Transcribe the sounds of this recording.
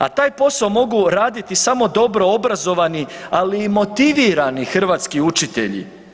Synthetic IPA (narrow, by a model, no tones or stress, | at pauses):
a̰t̪aːjpo̞saomo̞ɡuɾaːd̪it̪isamo̞d̪o̞bɾo̞obɾazo̞ʋanialiːmo̞t̪iʋiːɾanixr̩ʋaːt̪skiut͡ʃit̪e̞̰ʎḭ